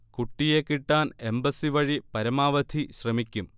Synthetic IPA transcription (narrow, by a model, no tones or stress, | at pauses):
kuʈːijekːiʈːaːne̞mbɐsiʋɐɻipɐɾɐmaːʋɐd̪ʱiɕrɐmikʲːum